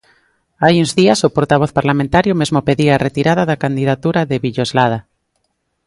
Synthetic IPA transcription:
ajuŋzðiasopoɾt̪aβoθpaɾlamẽnt̪aɾjomezmopeðiaret̪iɾaðaðakand̪iðat̪uɾaðeβiʎozlað̞a

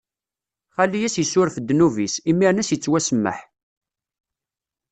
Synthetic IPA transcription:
χælːijæsjəsːʊɾfd̪ːnuvisimːiɾnæsjət͡sːwæsəmːə̰ħ

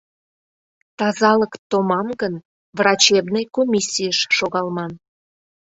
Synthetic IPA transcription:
t̪ɑzɑləkt̪omɑmɡən | vrɑt͡ɕebnejkomʲisʲːijəʃːoɣɑlmɑn

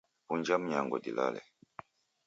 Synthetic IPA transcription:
puɲd͡ʒamɲaŋɡɔ̰dila̰lɛ̰

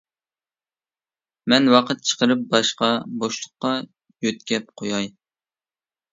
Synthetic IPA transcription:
mɛnwɑqʰət̪̚t͡ʃʰə̥qəɾɨp̚bɑʃqɑboʃlˠʊqːɑ | jøt̪kʲɛp̚qʰojɑj

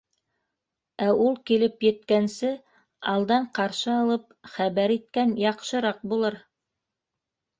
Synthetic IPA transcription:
æʔulˠkilɘpjɘ̆t̪kænsɘ | ɑlˠd̪ɑɴqɑɾʃɤɑlˠɤp̚ | χæβæɾit̪̚kænjɑqʃɤ̆ɾɑq̚bulˠɤɾ

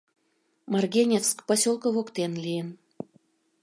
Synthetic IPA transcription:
mɑrɡʲenʲeskpɑsʲolˠkŏβokt̪enlʲijən

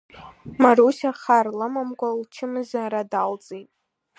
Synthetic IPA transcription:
maɾusʲaχarlamamkʷʼalt͡ʃʰɪmɨzaɾadalt͡sʼejtʼ

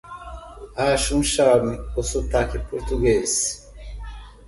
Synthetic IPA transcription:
haʃunʃamiosot̪akipoɾt̪uɡezi̥

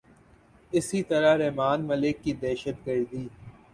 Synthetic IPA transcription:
ɪsit̪ɐɾaɾɛɦmaːnmɐlɪkːid̪ɛːʃət̪̚ɡɐɾd̪iː

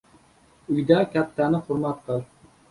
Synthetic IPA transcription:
yjd̪ɛkʲɛt̪ʰːænɪχʊɾmɑt̪̚qʰəlˠ

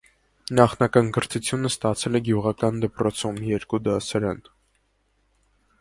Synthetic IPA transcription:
nɑχnɑkɑnɡəɾt̪ʰut͡sʰjunəst̪ɑt͡sʰɛlɛɡjuʁɑkɑnd̪əpɾɔt͡sʰumjɛɾkud̪ɑsɑɾɑn

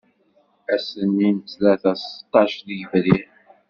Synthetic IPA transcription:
æsənːint̪læθæst̪ˤːɑʃðiʝəvɾi

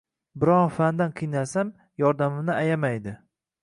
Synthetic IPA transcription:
bɪɾɒfand̪anqʰɨjnasam | jɒɾd̪amɪmnɪajamajd̪ɪ

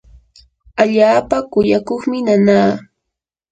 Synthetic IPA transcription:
aʎaːpakʊjakoχmɪnanaː

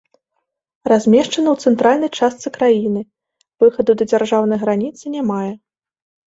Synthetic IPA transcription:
razʲmʲɛʂt͡ʂɐnɐwt̪sɛnt̪ɾalʲnɐjt͡ʂast̪sɨkɾajinɨ | vɨxɐd̪ud̪ɐd͡zʲarʐawn̪ɐjɣɾanʲit̪sɨnʲamajɛ

